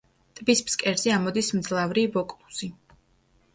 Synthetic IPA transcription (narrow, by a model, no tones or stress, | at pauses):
t̪ʼbispskʼɛɾziamɔd̪ismd̪zlˠavɾivɔkʼlˠu̥si